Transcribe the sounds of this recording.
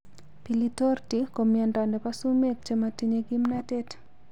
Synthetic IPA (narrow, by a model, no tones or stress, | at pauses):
pilitortikomiandandɛpasumek̚t͡ʃematiɲeɡimnatɛt